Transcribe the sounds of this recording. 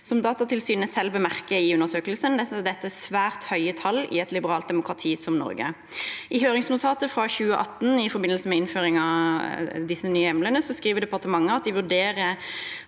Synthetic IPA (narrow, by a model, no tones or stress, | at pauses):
sɔmd̪ɑːt̪ɑt̪ʰɪlsyːnəsɛlbəmæʁkəɪʉnːəʁsøːkəlsənd̪ɛt̪ːəd̪ɛt̪ːəsʋæːʁt̪hœʏət̪ʰɑlːɪ̰ɛt̪lɪbəɾɑːlt̪̚d̪ɛmʊkʁɑt̪ʰiːsɔmnɔ̰ɾɡə̰ | ʔɪɦøːɾɪŋsnʊt̪ʰɑːt̪əfʁɑçʉːəʔɑt̪ːnɪfɔɾbɪnəlsəmɛɪnføːʁɪŋɑ | d̪ɪsənyːəɛmlənəsɔskʁiːʋəd̪ɛpɑʁt̪əmɑŋːəɑt̪̚d̪ɪʋʉd̪eːʁə